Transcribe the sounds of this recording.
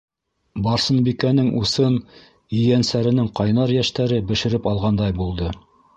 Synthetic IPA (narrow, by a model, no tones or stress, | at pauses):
bɑɾsɤ̆nbikænɘŋusɤn | ɵ̆jænsæɾɘ̆nɘŋqɑjnɑɾjæʃt̪æɾɘbɘ̆ʃɘ̆ɾɘpɑlˠʁɑnd̪ɑjbulˠd̪ɤ